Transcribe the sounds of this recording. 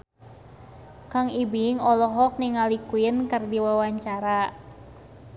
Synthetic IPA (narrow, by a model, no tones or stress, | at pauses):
kaŋibiŋɔlɔɦɔk̚niŋalikuinkərdiwawaɲt͡ʃaɾa